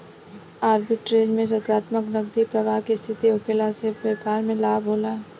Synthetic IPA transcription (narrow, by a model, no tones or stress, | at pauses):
aːɾbɪʈɾeːd͡ʒmẽs̬əɾkɾaːt̪məknəɡd̪ipɾɐʋaːɦkest̪ʰɪt̪iʊkeːlaseʋeːpaːɾmẽlaːbʱɦoːlaː